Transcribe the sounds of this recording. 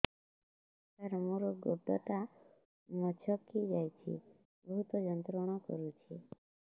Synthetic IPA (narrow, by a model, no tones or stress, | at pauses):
kaɾmuɾɔɡob̚ɖ̪ɔt̪a | mɔt͡ʃʰɔkːid͡ʒajt͡ʃʰḭ | bɔɦut̪ɔd͡ʒɔnt̪ɾɔɽ̃ɔkɔ̰ɾut͡ʃʰi